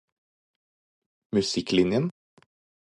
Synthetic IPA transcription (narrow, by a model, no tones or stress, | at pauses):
mʉsɪklɪnjən